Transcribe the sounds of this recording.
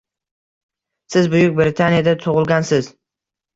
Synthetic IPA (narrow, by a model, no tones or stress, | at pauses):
sɪzbʊjʊk̚ʲbɾɪt̪ʰanijad̪at̪ʰʊʁɨlˠɡʲansɪz